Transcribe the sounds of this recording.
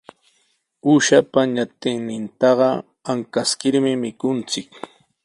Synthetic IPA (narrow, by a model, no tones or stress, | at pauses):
ʊʃapaɲat̪ɪŋnɪnt̪ɑɢɑ | aŋkaskɪɾmɪmɪkʊnt͡sɪk